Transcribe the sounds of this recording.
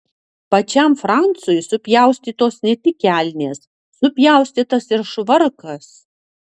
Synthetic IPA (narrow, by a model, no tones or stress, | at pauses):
pɐt͡ʃʲæmfɾɑnt̪sʊjʊsʊpʲjæˑʊsʲt̪ʲiːt̪oːsnʲɛt̪ʲɪkʲæːlʲnʲeːsː | ʊpʲjæˑʊsʲt̪ʲiːt̪ɐsɪɾʃʋɐɾkɐs